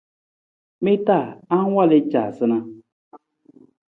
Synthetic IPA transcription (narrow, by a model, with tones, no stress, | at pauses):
mɪ˦ta˦˨a˦n˦wa˦˨lɪ˦t͡ʃa˨sɨ˦nã˦